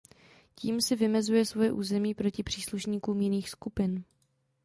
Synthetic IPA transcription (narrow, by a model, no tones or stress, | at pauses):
ciːmsɪvɪmɛzujɛsvo̞jɛʔuːzɛmiːpɾo̞cɪpr̝̥iːsluʃɲiːkuːmjɪniːxskupɪn